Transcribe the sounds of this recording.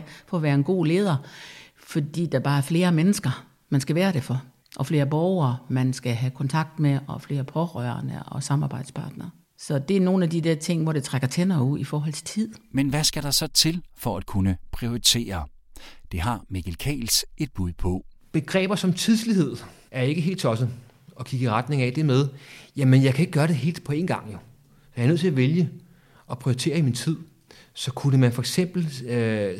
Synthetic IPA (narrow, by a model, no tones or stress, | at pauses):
fɒ̽ːʋæːɐenɡ̥o̝̰ːle̝ːð̞ˠɐ | fɒ̽d̥ḭːd̥æb̥ɑ̈ːæɐfle̝ːɐmenəsɡ̥ɐ | mænsɡ̥æʋæːɐɾ̥e̝fɒ̽ | ʔɒ̽fle̝ːɐb̥ɒʊɐːmænsɡ̥æɦækʰɒ̽nt͡sʰɑ̈ɡ̥̚d̥meʔɒ̽fle̝ːɐpʰɒ̽ʁœɐnə̰ʔɒ̽sɑ̈mɑ̈ːb̥ɑ̈ɪ̰d̥spʰɑ̈ːd̥nɐː | sɒ̽d̥e̝æɐno̝ːn̩æd̥idæɐ̰t͡sʰe̝ŋ̰ʋɒ̰d̥e̝t͡sʰʁaɡ̥ɐt͡sʰenɐːuð̰ˠifɒːɦɒ̽l̰t͡sʰe̝̥t͡sʰið̰ˠmenʋæsɡ̥æɾ̥ɑ̈sɒ̽t͡sʰe̝lfɒæd̥̚kʰunəpʰʁio̝it͡sʰe̝̰ːɐ | d̥e̝ɦɑ̈meɡ̥elkʰɛ̰ːlse̝d̥̚b̥uðˠpʰɒ̽b̥e̝ɡ̥ʁɛ̰ːb̥ɐsɒ̽mt͡sʰið̞ˠslihe̝ð̰ˠæɐe̝ɡ̥əɦe̝̰ːld̥t͡sʰɒ̽sə | ɒ̽kʰiɡ̥əiʁäd̥ne̝ŋɛd̥e̝með̞ˠjæmenjɑɪkʰæe̝ɡ̥əɡ̥ɶːɐɾe̝ɦe̝̰ːld̥̚pʰɒ̽e̝ːnɡ̥ɑ̈ŋ̰jo̝ | sjanøð̰ˠt͡s̝ʰæʋeljə | ɒ̽pʰʁioit͡sʰe̝̰ːɐimint͡sʰið̞̰ˠ | sɒ̽kʰunəmænfɒ̽eɡ̥sem̰b̥l̩